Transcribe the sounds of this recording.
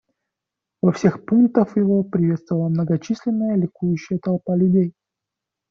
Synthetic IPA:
vɐfsʲe̞xpuŋk̚t̪əfjɪvopɾʲɪvʲet̪st̪vəvəlˠəmnəɡɐt͡ɕisʲlʲɪnːəjəlʲɪkujʉɕːɪjət̪ɐlˠpalʲʉdʲej

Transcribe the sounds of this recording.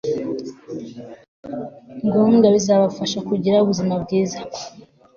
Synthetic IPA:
ŋɡoŋɡaβizaβaufaʃakuɟiɾauβuzimabɡiːzḁ

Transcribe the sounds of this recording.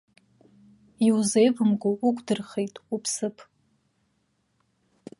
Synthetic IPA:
iwzejvɨmɡʷʊukʷʰʼdɨrχejtʼupʰsɨpʰʼ

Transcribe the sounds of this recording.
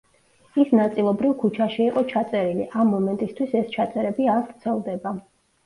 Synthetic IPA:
isnat̪sʼilˠɔbɾivkʰut͡ʃʰaʃiiqʼɔt͡ʃʰat̪sʼɛɾilḭʔamːɔmɛnt̪ʼist̪ʰwisɛst͡ʃʰat̪sʼɛɾɛbiaɾvɾt̪sʰɛlˠd̪ɛba

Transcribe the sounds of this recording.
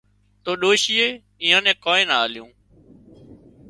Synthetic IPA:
t̪oːɗoːʃiːeː | ɪ̃ːãːnɛ̃ːkõːẽːnaaːljũː

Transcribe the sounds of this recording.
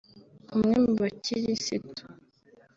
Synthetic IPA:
umŋemuβaciɾisitu̥

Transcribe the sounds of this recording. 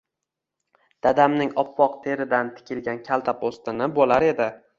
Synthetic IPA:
d̪̥ad̪amnɪŋɒpːɒqt̪ʰe̞ɾɪd̪ant̪ʰɪ̥kʲʰɪlɡʲankʲʰalˠt̪ʰapost̪ɪnɪbolaɾe̞d̪ɪ

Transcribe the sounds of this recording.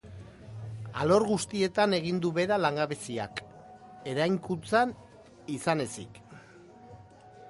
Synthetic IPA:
a̰lo̞ɾɣust̪ie̞t̪ane̞ɣ̞ind̪uβe̞ɾalaŋɡaβesia̰k | e̞ɾajŋkunt͡san | isane̞sḭk

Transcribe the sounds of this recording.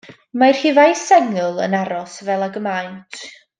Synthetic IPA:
majr̥hivajsɛŋɨlˠə̰naɾɔsvɛlˠaɡəmajntʰ

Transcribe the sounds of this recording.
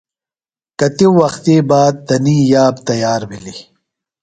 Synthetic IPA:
kɐt̪iwːɐxt̪iːbaːd̪̚t̪ɐniːjaːbt̪ɐjaːɾbili

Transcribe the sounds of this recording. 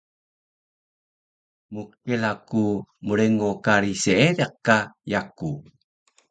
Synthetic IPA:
mukkelakumuɾeŋokaɾiseeɾeqkːajaku

